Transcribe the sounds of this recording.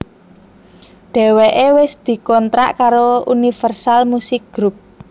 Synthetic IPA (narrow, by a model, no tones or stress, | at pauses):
ɖ̥ɛ̤weʔewɪsd̪̥i̤kɔnt̪ɾa̰ʔkaɾoṵnifɛrsalmusɪk̚ɡ̥ɾup̚